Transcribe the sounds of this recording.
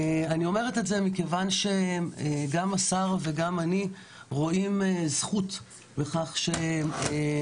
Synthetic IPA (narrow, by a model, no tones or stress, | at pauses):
anio̞me̞ʁeteze̞mike̞vanʃe̞eɡamasaʁve̞ɡamani | ʁo̞imezχut | beχaχʃe